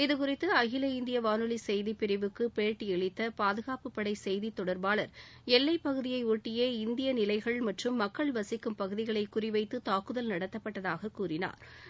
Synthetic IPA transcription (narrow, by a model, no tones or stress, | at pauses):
ɪðɯkʊrɪt̪ːɯɐɣɪlɐɪnd̪ɪjɐʋaːnɯlisɛjðipːɪɾɪʋɯkːɯpeːɾʈːiɛɭɪt̪ːɐpaːðɯɣaːpɯpːɐɽɐɪsɛjðit̪ːɔɽɐɾbaːlɐɾ | ɛlːɐɪpːɐɣɯðɪjɐɪuːʈːɪjɐɪnd̪ɪjɐnɪlɐɪɣɐɭmɐʈrɯmːɐkːɐɭʋɐsɪkːɯmpɐɣɯðɪɣɐɭɐɪkːʊrɪʋɐɪt̪ːɯt̪aːkɯðɐlnɐɽɐt̪ːɐpːɐʈːɐðaːɣɐkuːrɪna̰ːɾ